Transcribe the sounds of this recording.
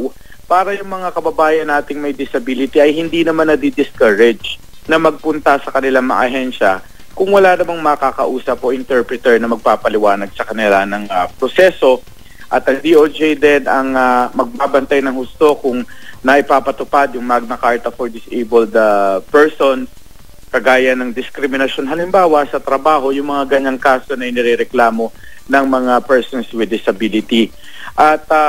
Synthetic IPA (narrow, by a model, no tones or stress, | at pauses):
w | paːɾɐjʊŋmɐŋakɐbɐbaːjɐnːaːt̪ɪŋmɐjd̪ɪsɐbilɪt̪iʔɐjhɪnd̪inɐmanːɐd̪id̪ɪskaɹɛd͡ʒ | nɐmɐɡ̚pʊnt̪ɐsɐkɐnɪlaŋmɐʔɐ̰ʔɐɦɛnʃɐ | kʊŋwɐlaːnɐmaŋmɐkaːkɐ̰ʔuːsɐpoʔɪnt̪ɛɹpɹɛt̪ɛɹnɐmɐɡ̚paːpɐlɪwaːnɐɡ̚sɐkɐnɪlanɐŋɐpɾosɛso̞ | ʔɐt̪ɐŋd̪iʔod͡ʒɛjd̪ɛnʔɐŋamɐɡ̚baːbɐnt̪ajnɐŋhʊst̪okʊŋnɐʔɪpaːpɐt̪ʊpad̪jʊŋmɐɡ̚nɐkaɹt̪ɐfoɹd̪ɪsʔejbold̪ɐpɛɹsons | kɐɡaːjɐnɐŋd̪ɪskɾɪmɪnɐʃo̞nɦɐlɪmbaːwɐsɐt̪ɾɐbaːɦo̞jʊŋmɐŋaɡɐɲaŋkaːso̞nɐjnɛɾɛɾɛklaːmo̞ | nɐŋmɐŋapɛɹsonswɪd̪ɪsɐbilɪt̪i | ʔɐt̪̚ɐ